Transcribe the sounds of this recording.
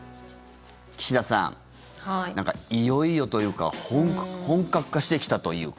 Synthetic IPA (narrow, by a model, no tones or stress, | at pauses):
kʲi̥ɕid̪asã̰ŋ | h̪ãŋka̰ijo̞ijo̞t̪o̞jɯ̟ːka̰hõŋhõ̞ŋkakɯ̟̥kːaɕi̥t̪ekʲi̥t̪at̪o̞jɯ̟̰ː